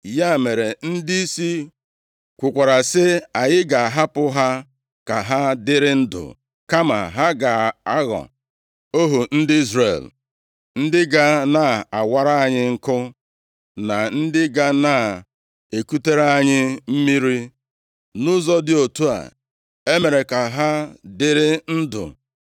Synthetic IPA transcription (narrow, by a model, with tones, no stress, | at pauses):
ja˦˨me˨ɾe˨n̩˦di˦i˦si˦ | kʷʊ˨kʷa˨ɾa˨sɪ˦a˨ɲɪ˦ɡa˨a˨ɦa˦pʊ˦ɦa˦ | ka˨ɦa˦dɪ˦ɾɪ˦n̩˦dʊ̰˨ | ka˦ma̰˨ɦa˦ɡa˨a˦ɣɔ̰˨ | o˦ɦu˨n̩˦dɪ˦i˦zrḛ˨l | n̩˦dɪ˦ɡa˦na˨a˨wa˦ɾa˦a˨ɲɪ˦ŋ̩˦kʊ˦ | na˨n̩˦dɪ˦ɡa˦na˦˨ | e˨ku˦te˦ɾa˦a˦ɲɪ˦m̩˦mi˦ɾi˦ | nʊ˦zɔ˦dɪ˨o˨tu˦a̰˨ | e˦me˨ɾe˨ka˨ɦa˦dɪ˦ɾɪ˦n̩˦dʊ̰˨